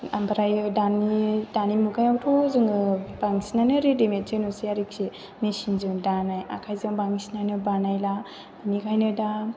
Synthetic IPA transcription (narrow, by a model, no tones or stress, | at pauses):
a̰mbɾajdanidanimuɡajawtʰozɯŋɯbaŋisinajnɯɾidimettʰenusiaɾik̚se | mesinzɯŋdanaja̰kʰajzɯŋbaŋisinajnɯbanajla | anikʰajnɯda